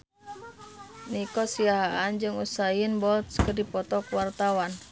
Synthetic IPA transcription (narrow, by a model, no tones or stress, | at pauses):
nikɔsiaɦaʔand͡ʒɨŋusajɪnbɔlt̪skərdipɔt̪ɔkwart̪awan